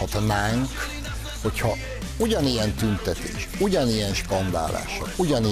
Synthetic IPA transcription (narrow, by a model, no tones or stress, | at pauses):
ɒt̪naːŋk | ho̞chɒ | uɟɒnijɛnt̪ynt̪ɛt̪ḛːʃuɟɒnijɛnʃkɒnd̪a̰ːla̰ːʃɒkuɟɒni